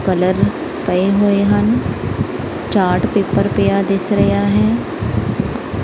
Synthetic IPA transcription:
kɐləɾ | pəeɦoeɦən | t͡ʃaːɾʈpeːpːəɾpejad̪ɪsɾɐjaɦɛː

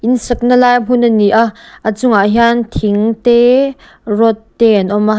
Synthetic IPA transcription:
ʔinsɐk̚nəlajbunəniʔaʔʔət͡sʊŋaʔɦiant̪ʰiŋt̪ɛ | rɔt̪ːɛnʔɔma

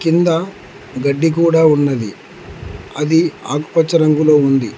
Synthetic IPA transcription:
kind̪ɐ | ɡɐɖːik̬uːɽaːunːɐd̪i | ɐd̪ia̰ːku̥pɐt͡ʃːɐɾɐŋɡulo̞ːund̪i

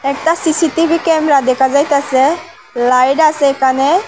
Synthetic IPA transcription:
ek̚ʈ̪asisiʈibʱikɛmɾad̪ɛkʰad͡zajt̪asɛ | lajɖasɛkane

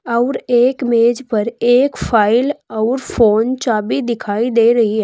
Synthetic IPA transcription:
ɔʊɾeːkmeːd͡ʒpɐɾeːkfʰaːɪlɔʊɾfʰoːnt͡ʃaːbid̪ɪkʰaːid̪eːɾɐɦiɦɛ

